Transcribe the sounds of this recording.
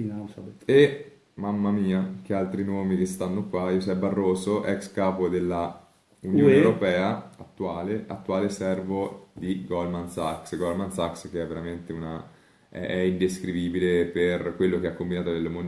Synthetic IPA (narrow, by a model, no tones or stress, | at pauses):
iase | mamːamiːak̟ealt̪ɾinɔːmik̟est̪anːokwajuzɛbːarːoːsoʔɛkskaːpod̪elːa | unjoːnewɾopɛːaat̪ːuaːleʔat̪ːuaːlesɛrvod̪iɡɔlmansaksɡɔlmansaksk̟eɛvːeɾament̪euna | ɛ̰ɛind̪eskɾiviːbileperkwelːokeakːombinaːt̪od̪elːomon